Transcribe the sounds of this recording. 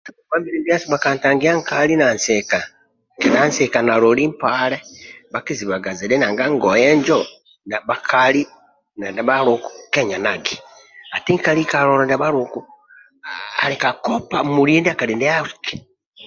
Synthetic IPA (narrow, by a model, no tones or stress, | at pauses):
aakwaːmbiɾebjasiβakaːntaːŋɡijaŋkalinanseka | kenansekanalolimpaːleβakiziβaɡaziɾenaːŋɡaŋɡojeɲd͡ʒo | naβakʰali | nandaβaɾuku̥keɲanaɡi | atiŋkalikaloɾonaβaɾuku | a̰likakopamuɾiːndiakalindeafu̥ki̥